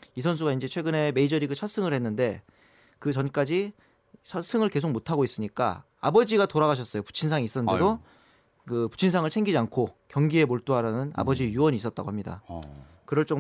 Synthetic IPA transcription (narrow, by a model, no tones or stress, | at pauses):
isʰʌns̬ʰuɡaind͡ʑe̞t͡ɕʰwe̞ɡɯne̞me̞id͡ʑʌɾiɡɯt͡ɕʰas͈ɯŋɯɭhe̞nːɯnde̞ | kɯt͡ɕʌnk͈ad͡ʑi | t͡ɕʰas͈ʰɯŋɯɭke̞sʰok̚motʰaɡois͈ɯɲik͈a̰ | a̰bʌd͡ʑiɡatoɾaɣaɕʰʌs͈ʌjopu̥t͡ɕʰinsʰaŋiːs͈ʌnɯndedo | kɯpu̥t͡ɕʰinsʰaŋɯɭt͡ɕʰeŋɡid͡ʑiankʰokjʌŋɡie̞moɭt͈oɦaɾanɯna̰bʌd͡ʑijuwʌɲiːs͈ʌt̚t͈aɡoɦamɲida̰ | kɯɾʌɭt͡ɕ͈o